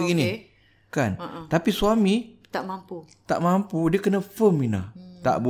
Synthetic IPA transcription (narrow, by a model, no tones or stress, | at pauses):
ini | kant̪apisuamit̪aʔmamput̪a̰ʔmampudiəkənə̃fəmina̰t̪a̰ʔbu